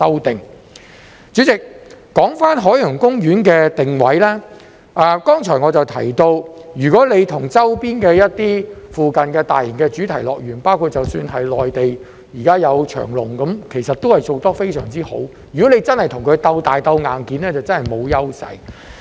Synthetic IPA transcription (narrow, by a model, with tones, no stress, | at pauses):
sɐ˥wt̪ɪ˨˩ŋ | t͡ʃyː˨˥t͡sɪ˨k̚ː | ɔː˨˥ŋfaː˥nɦɔː˨˥jjʊ˨˩ŋkʊ˥ŋjyː˨˥nkɛː˧t̪ɪ˨˩ŋwɐ˨˥jlɛː˥ | ʔaː˨˧kɔː˥ŋt͡ʃʰɔː˨˩jŋɔː˨˧t͡sɐ˨wt̪ʰɐ̰˨˩jt̪o˧wjyː˨˩kɔː˨˥le˨˧jt̪ʰʊ˨˩ŋt͡sɐ˥wpiː˥nkɛː˧jɐ˥t̚t̪iː˥fuː˨kɐ˨˩nkɛː˧t̪aː˨jjɪ˨˩nkɛː˧t͡syː˨˥t̪ʰɐ˨˩jlɔː˨k̚jɥyː˨˩npaː˥wkʰuː˧t̚t͡sɐ˨wsyː˧nɦɐ˨jlɔː˨jt̪e˨j | jiː˨kaː˥jɐ˨˧wt͡ʃʰœ̰ː˨˩ŋlʊ̰˨˩ŋkɐ˨˥mkʰe˨˩jsɐ˨t̪o˥whɐ˨jt͡so˨˧wt̪ɔː˥fe˥jsœ̰ː˨˩ŋt͡siː˥ho̰˨˥w | jy˨˩kɔ˨˥lne˨˧jt͡sɐ˥nhɐ˨jt̪ʰʊ˨˩ŋkʰɵ˨˧ɥt̪ɐ˧wt̪aː˨jt̪ɐ˧wŋaː˨˩nkiː˨˥nlɛː˥t͡sɐ˨wt͡sɐ˥nhɐ˨˩jmo˨˧wjɐ˥wsɐ̰˨˧j